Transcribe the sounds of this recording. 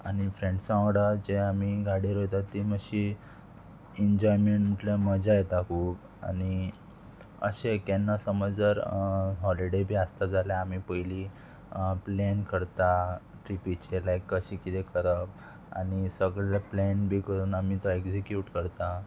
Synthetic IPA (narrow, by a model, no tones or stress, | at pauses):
a̰ɽ̃ifɾeɳɖsãʋɽad͡ʑeamiɡaɽiɾot̪at̪ːiməɕi | iɲd͡ʑɔjmeɳʈm̤əʈleməd͡ʑajet̪akʰuːb | a̰ɽi | ə̰ɕekɛnːasəməd͡zəɾɦɔliɽebʱiːəst̪ad͡zaljaamipəili | plɛnkəɾt̪a | ʈɾipit͡ɕelajkːəɕĩkit̪ekʰəɾəp̚ | a̰ñisəɡɭeplɛnbʱiːkəɾuːnamit̪ɔekd͡ʑikjuʈkəɾt̪a